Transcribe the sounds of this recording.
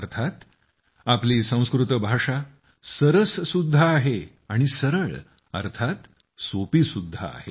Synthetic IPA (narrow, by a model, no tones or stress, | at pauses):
əɾt̪ʰat̪ | apliːsə̃w̃skɾut̪əbʱaʂa | səɾəsːud̪ʱːaːɦe | aɽ̃isəɾəɭ | ə̰ɾt̪ʰat̪ | sopiːsud̪ʱːa̰ːhḛ